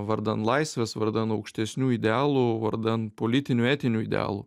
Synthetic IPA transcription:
ʋɐɾd̪ɐnt̪lˠɐɪsʲʋʲɛsʋɐɾd̪ɐnt̪ɐʊkʃʲt̪ʲɛsʲnʲuːɪd̪ʲɛɑːlˠuːʋɐɾd̪ɐntpolʲɪt̪ʲɪnʲuːæːt̪ʲɪnʲuːɪd̪ʲɛ̰ɑ̰ːlˠṵː

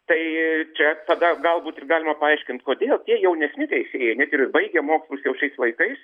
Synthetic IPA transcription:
t̪ɐɪt͡ʃʲɛt̪ɐd̪ɐɡɐlˠbuːt̪ɪrɡɑːlʲɪmɐpɐɐɪʃʲkʲɪnt̪koːd̪ʲeːlˠt̪ʲiɛjɛʊnʲɛsʲnʲɪkʲɛɪsʲeːjɛnʲɛt̪ɪrbɐɪɡʲɛmoːkʲslˠʊsjɛʊʃʲɛɪslˠɐɪkɐɪs

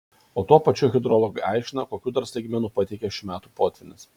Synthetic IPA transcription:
oːt̪uɔpɐt͡ʃʲuːɣʲɪd̪ɾɔlˠɔɡɐʔɛˑɪʃʲʃʲt͡ʃʲɪnɐkoːkʲuːd̪ɐɾsɐɪɡʲmʲɛnuːpɐt̪ʲɛɪkʲɛʃʲɪmʲæːt̪uːpoːt̪ʲʋʲɪnʲɪs

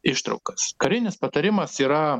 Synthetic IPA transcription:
ɪʃt̪ɾɐ̰ʊkɐskɐɾʲɪnʲɪspɐt̪ɐɾʲɪmɐsiːɾɐ

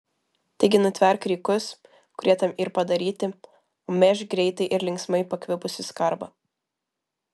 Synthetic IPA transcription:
t̪ɐɪɡʲɪnʊt̪ʲʋʲɛɾkɾʲiːkʊs | kʊɾʲiɛt̪ɐmɪɾpɐd̪ɐɾʲiːt̪ʲɪ | oːmʲɛʒɡɾʲɛɪt̪ɐɪʔɪɾlʲɪŋksmɐɪpɐkʋʲɪbʊsʲɪskɐɾbɐ

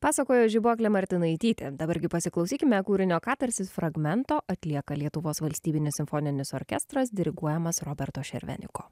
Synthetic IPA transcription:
pɑːsɐkoːjoːʒʲɪboːkʲlʲɛmɐɾʲt̪ʲɪnɐɪt̪ʲiːt̪ʲḛd̪ɐbɐɾɡʲɪpɐsʲɪklˠɒʊsʲiːkʲɪmʲɛkuːɾʲɪnʲoːkɑːt̪ɐɾʲsʲɪsfɾɐɡmʲɛnt̪oːʔɐt̪ʲlʲiɛkɐlʲiɛt̪ʊʋoːsʋɐlʲsʲt̪ʲiːbʲɪnʲɪsʲɪmfoːnʲɪnʲɪsoɾʲkʲɛst̪ɾɐs̬d̪ʲɪɾʲɪɡuɔjɛmɐsɾoːbʲɛɾt̪oːʃʲɛ̰ɾʲʋʲɛ̰nʲɪ̰ko̰ː

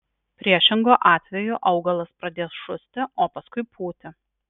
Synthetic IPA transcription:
pʲɾʲiɛʃʲɪŋɡoːʔɑːt̪ʲʋʲɛjʊʔɐʊɡɐlˠɐspɾɐd̪ʲeːsʃʊsʲt̪ʲɪoːpɐskʊɪpʰuːt̪ʲɪ

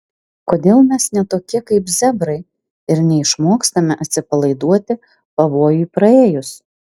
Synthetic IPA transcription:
koːd̪ʲeːlˠmʲɛsnʲɛt̪oːkʲɪkɐɪpzʲɛbɾɐɪ | ɪɾnʲɛɪʃmoːkst̪ɐmʲɪʔɐt̪ʲsʲɪpɐlˠɐɪd̪uɔt̪ʲɪ | pɐʋoːjuipɾɐeːjʊs

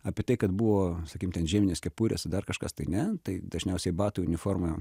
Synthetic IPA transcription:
ɑːpʲɪɛt̪ɐɪkɐt̪buʋoːsɐkʲiːmt̪ʲɛnʒʲiːmʲɪnʲeːskʲɛpuːɾʲḛːsd̪ɐrkɐʃkɐst̪ɐɪnʲɛt̪ɐɪd̪ɐʒʲnʲɛʊsʲɛɪbɑːt̪ʊjʊnʲɪfoːrmɐ

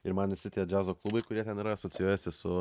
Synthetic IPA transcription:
ɪɾmɐnʋʲɪsʲɪt̪ʲiɛd͡ʒʲæːzoːklˠuːbɐɪkʊɾʲiɛt̪ʲɛniːɾɐɐsɔt͡s̪ʲɪjoːjɛsʲɪsʊ

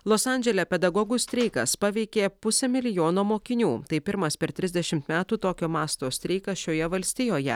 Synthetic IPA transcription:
lˠosɑnʲd͡ʒʲɛlʲɛpʲɛd̪ɐɡɔːɡʊsʲt̪ʲɾʲɛɪkɐspɑʋʲɛɪkʲeːpʊsʲɛmʲɪlʲɪjoːnoːmoːkʲɪnʲuːt̪ɐɪpʲɪɾmɐspʲɛɾt̪ʲɾʲɪzʲd̪ʲɛʃʲɪmt̪mʲæːt̪uːt̪oːkʲoːmɑːst̪oːsʲt̪ʲɾʲɛɪkɐʃʲoːjɛʋɐlʲsʲt̪ʲɪjoːjɛ̰

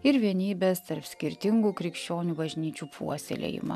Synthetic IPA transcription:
ɪɾʋʲiɛnʲiːbʲeːst̪ɐɾpsʲkʲɪɾʲt̪ʲɪŋɡuːkɾʲɪkʃʲt͡ʃʲoːnʲuːbɐʒʲnʲiːt͡ʃʲuːpʰṵɔsʲɛ̰lʲḛjɪ̰mɐ̰

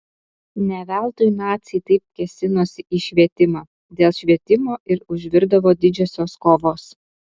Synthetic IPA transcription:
nʲɛʋʲæˑlˠt̪ojnɑːt̪ʲsʲɛɪt̪ɐɪp̚kʲɛsʲɪnoːsʲɪʔiːʃʲʋʲiɛt̪ʲɪmɑː | d̪ʲeːlˠʃʲʋʲiɛt̪ʲɪmoːʔɪɾʊʒʲʋʲɪɾd̪ɐʋoːd̪ʲɪd͡ʒʲoːsʲoːskoːʋoːs

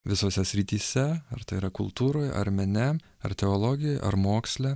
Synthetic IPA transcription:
ʋʲɪsoːsʲɛsʲɾʲɪt̪ʲiːsʲɛɐɾt̪ɐɪiɾɐkʊlˠt̪uːɾoːjɐ̰ɾʲmʲɛnʲɛ | ɐ̰ɾt̪ʲɛolˠɔɡʲɪjojʔɐ̰ɾmoːksʲlʲɛ

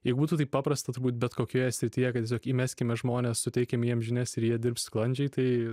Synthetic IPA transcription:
jɛɪɡʊbuːt̪uːt̪ɐɪpɑːpɾɐst̪ɐt̪ʊɾbuːt̪̚bʲɛt̪koːkʲoːjɛsʲɾʲɪt̪ʲiːjɛkɐt̪ʲieːsʲoːkiːmʲæːsʲkʲɪmʲɛʒmoːnʲeːssʊt̪ʲɛɪkʲɛmjiɛmʒʲɪnʲɛsɪɾjiɛd̪ʲɪɾpsklˠɐnʲd͡ʒʲɛɪt̪ɐɪ

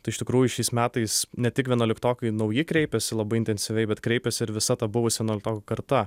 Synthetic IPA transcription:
t̪ɐɪʃʲt̪ʲɪkɾuːjʊʃʲɛɪsmʲæːt̪ɐɪsnʲɛt̪ʲɪkʋʲiɛnoːlʲɪkt̪oːkʲɐɪnɐʊjɪkɾʲɛɪpʲɛsʲɪlˠɐbɐɪɪnt̪ʲɛnʲsʲɪʋʲɛɪbʲɛt̪kɾʲɛɪpʲɛsʲɪɪɾʋʲɪsɐt̪ɐbʊʋʊsʋʲiɛnoːlʲɪk̚t̪oːkːkɐɾt̪ɐ

